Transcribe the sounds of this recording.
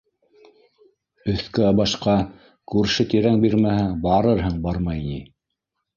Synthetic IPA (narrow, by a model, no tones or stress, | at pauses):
ɵ̆θkɵɑbɑʃqɑ | kʉɾʃɘt̪iɾæŋbiɾmæhæbɑɾɤɾɦɤɴbɑɾmɑjni